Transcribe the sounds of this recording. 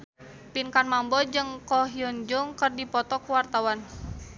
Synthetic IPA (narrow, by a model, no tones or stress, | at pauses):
pinkanmambɔd͡ʒɨŋkɔɦiɔnd͡ʒuŋkərdipɔt̪ɔkuwart̪awan